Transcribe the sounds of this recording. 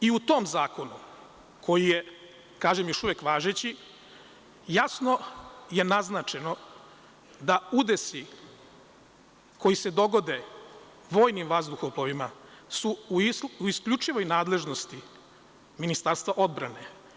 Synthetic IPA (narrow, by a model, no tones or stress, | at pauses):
iut̪o̞mzaːko̞nu | kʰo̞jije̞ | kaːʒemjo̞ʃuʋjekʋaːʒet͡ɕi | jasno̞je̞naznat͡ʃe̞no̞ | d̪aud̪e̞si | kʰo̞jise̞d̪o̞ɡo̞d̪e̞ | ʋoːjnimʋazd̪uxoploʋimasuuiskʎut͡ʃiʋo̞jnaːd̪le̞ʒno̞st̪i | minist̪aɾst̪ʋaʔo̞d̪bɾane̞